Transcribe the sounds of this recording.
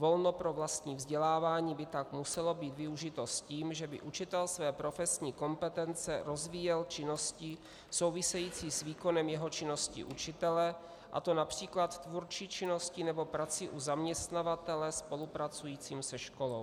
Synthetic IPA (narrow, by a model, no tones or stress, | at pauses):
vo̞lnopɾo̞vlast̪ɲiːvzɟɛlaːvaːɲiːbɪt̪akmusɛlo̞biːt̪vɪuʒɪt̪o̞sciːmʒɛbɪ̰ʔut͡ʃɪt̪ɛlsvɛːpɾo̞fɛsɲiːko̞mpɛt̪ɛnt͡sɛɾo̞zviːjɛlt͡ʃɪno̞scɪ | so̞wvɪsɛjiːt͡siːsviːko̞nɛmjɛɦo̞t͡ʃɪno̞scɪ̰ʔut͡ʃɪt̪ɛlɛ | ʔa̰t̪o̞napr̝̥iːklat̪t̪vuɾt͡ʃiːt͡ʃɪno̞scɪnɛbo̞pɾat͡sɪʔuzamɲɛst̪navat̪ɛlɛspo̞lupɾat͡sujiːt͡siːmsɛʃko̞lo̞w